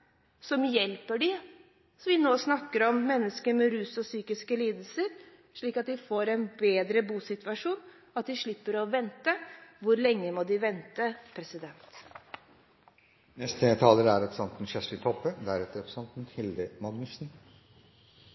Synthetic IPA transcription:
sɔmjɛlpəɖɪ | sɔʋɪnoːsnɑkːəɾɔmːɛnːəskəmɛɾʉːsɔsyːkɪskəliːd̪əl̩səɾ | ʂɭiːkɑt̪̚d̪ɪfoːɾɛnbeːd̪ɾəbuːsɪt̪ʋɑʂuːn | ɑt̪̚d̪ɪʂɭɪpːəɾɔʋɛnt̪əʋʊɾlɛŋːəmɔd̪ɪʋɛnt̪əpʰɾɛsɪd̪ɛnt̪ | nɛst̪ət̪ʰɑːləɾæɾɑpsɑnt̪n̩ʃɛsɪt̪ʰɔpːəd̪æɾɛt̪ːəɾɔpsɑnt̪n̩hɪld̪əmɑɡnɪsn̩

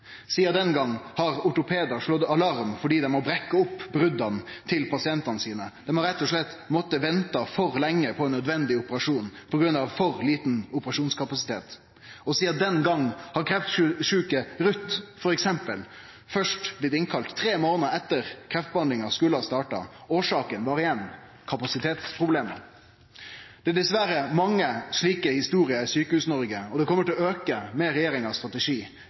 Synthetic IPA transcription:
siːɑd̪ɛnɡɑŋːhɑɾʊʈʊpʰeːd̪ɑʂlɔd̪ɑlɑɾmfɔɖiːd̪ɛmɔbɾɛkːəʊpːbɾʉd̪ɑnt̪ʰɪlpʰɑsɪɛnt̪ɑnəsiːnəd̪̥ɛmhɑɾɛt̪ːɔʂɭɛt̪ː | mɔt̪ːəʋɛnt̪ɑfɔɾlɛŋːəpʰɔɛnːœd̪ʋɛnd̪ɪʊpəɾɑʂuːnpʰɔɡɾʉnɑʋfɔɾliːt̪nʊpəɾɑʂuːnskɑpɑsɪ̥t̪ʰḛːt̪ | ɔsiːɑd̪ɛnɡɑŋːhɑkʰɾɛft̪ʂʉːkəɾʉt̪ːfɔɾɛksɛmpəl | fœʂʈʋɪːd̪ɪŋkʰɑlt̪ʰːɾeːmoːnəɛt̪ːəɾkʰɾɛft̪̚bəhɑnd̪lɪŋɑskʉləɑst̪ɑːʈɑ̰oːʂɑːkənʋɑːɾɪjɛn | kʰɑpɑsɪt̪ʰeːt̪spʰɾʊbleːmə̰ | d̪̥ɛæɖ̪ɛsʋæɾəmɑŋːəʂɭiːkəhɪst̪uːɾɪəɪsyːkəhʉːsnɔɾɡəɔd̪ɛkʰɔmːəʈʰɪlɔøːkəmeːɾɛjeːɾɪŋɑst̪ɾɑt̪ɛʂiː

